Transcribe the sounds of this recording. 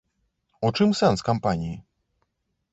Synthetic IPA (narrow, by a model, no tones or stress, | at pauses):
ɔt͡ʂɨmsɛ̃nskampaɲi